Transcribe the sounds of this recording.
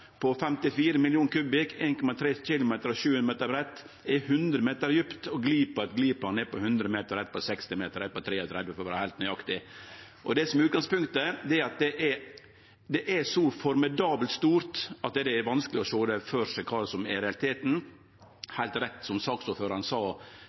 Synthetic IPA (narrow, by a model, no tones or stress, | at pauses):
pʰɔfɛmt̪ɪfiːɾəmɪljuːnkʰʉːbɪkeːnkɔmɑt̪ʰɾeːçɪlʊmeːt̪əɾɔʃʉːənmeːt̪əbɾɛt̪ː | ɛhʉnd̪ɾəmeːt̪əɾjʏpt̪ɔɡliːpəɑt̪ɡliːplɑnɛpɔhʉnd̪ɾəmeːt̪əɾɛt̪̚ːpʰɔsɛkst̪ɪmeːt̪əɾɛpɔt̪ʰɾeːɔt̪ʰɾɛd̪ʋəfɔɾʋæːɾhæɪlt̪nœʏɑkt̪ɪ | ʔɔd̪ɛsɔmɛʉːt̪̚ɡɑŋspʉŋkt̪əd̪ɛɛɾɑt̪̚d̪ɛʔɛ | d̪ɛʔɛsɔfɔɾmɪd̪ɑːbəlt̪st̪uːɾt̪ɑt̪̚d̪ɛd̪ɛɛʋɑnskəlɪɔʃoːd̪ɛføːɾʂɛkʰɑːɾsɔmɛɾɛɑlɪt̪ʰeːt̪n̩ | hæɪlt̪ɾɛt̪ːsɔmsɑːksɔføːɾɑnsɑː